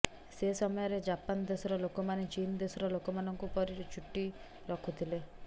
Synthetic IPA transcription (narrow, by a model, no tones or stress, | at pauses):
sesɔmɔjɔɾed͡ʒapand̪esɔɾɔlokɔmanet͡ʃind̪esɔɾɔlokɔmanɔŋkupɔɾit͡ʃʰuʈːi | ɾɔkʰut̪ʰile